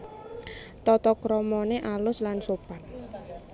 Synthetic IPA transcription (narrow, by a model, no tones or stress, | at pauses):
t̪ɔt̪ɔkɾɔmɔneʔalʊslansopat̪